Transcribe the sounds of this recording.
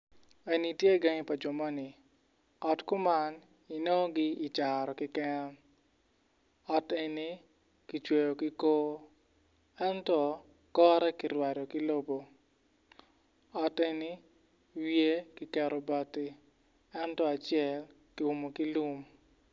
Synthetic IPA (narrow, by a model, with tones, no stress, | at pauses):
e˨ni˨tje˦ɡa˦ŋi˦pa˨d͡ʒo˨mɔ˦nɪ˨ | ɔ˨tkʊ˦ma˦n | i˨no˦ɡɪ˦i˨t͡ʃa˨ɾɔ˨kɪ˦kɛ˦n˦ | ɔ˨te˨ni˦ | ki˨t͡ʃwe˨jo˨kɪ˦koː˦ | ɛ˦ntɔ˦ | kɔ˦ɾɛ˦kɪ˨ɾwa˨ɾo˨kɪ˦lo˦bo˨ | ɔ˨tni˦ | wje˦kɪ˦kɛ˨ɾɔ˨bɔ˨tɪ˦ | ɛ˦ntɔ˦a˨t͡ʃɪɛ˦l | ki˨u˨mo˨ki˦lu˦m